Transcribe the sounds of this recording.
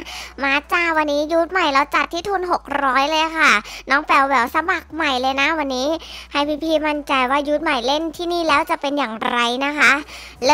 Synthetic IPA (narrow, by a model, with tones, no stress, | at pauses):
maː˨˧˥t͡ɕaː˧˩wa˧nːiː˦˥ju˦˥t̪̚ma˨˩jɾa˧wt͡ɕa˨˩t̪ʰːiː˥˩t̪ʰuː˧nɦo˨˩k̚ɾɔː˦˥jlɤː˧jkʰa˥˩nɔː˦˥ŋpɛ˨˩wwɛː˨˩wsa˧ma˨˩k̚ma˨˩jlɤː˧jna˦˥wa˧nːiː˦˥ha˧jpʰiː˧˥pʰiː˧˩ma˧nt͡ɕa˧jwaː˥˩ju˦˥t̪̚ma˨˩jle˥˩nt̪ʰiː˥˩niː˥˩lɛː˦˥wt͡ɕa˨˩pe˧njaː˨˩ŋɾa˧jna˦˥kʰa˦˥ | l